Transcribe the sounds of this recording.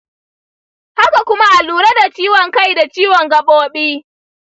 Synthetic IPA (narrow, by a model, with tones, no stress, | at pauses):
ha˦ka˨kʷʊ˦ma˦ʔa˨luː˨ɾɐ˦da˨t͡ʃiː˦wɔ˨ŋka˦˨jda˨t͡ʃiː˦wɔ˨ŋɡɐ˨ɓoː˦ɓiː˦